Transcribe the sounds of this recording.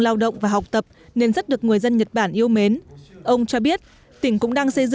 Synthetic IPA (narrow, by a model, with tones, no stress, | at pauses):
laː˧wɗə̰˧˨wŋ͡mvaː˨˩ɦa˨˩wk͡p̚t̪ə˨˩p̚ne˧nzə˦˥t̚ɗɨ˨˩ək̚ŋɨ˨˩əjzə˧nɲə˨˩t̚ɓaː˧˩nʔi˧əwme˨˦nʔə˧wŋ͡mt͡ɕɔ˧ɓi˦˥ət̚ | t̪ï˧˩ŋ̟kʊ̰˧˥ŋ͡mɗaː˧ŋsə˧jzɨ̰˧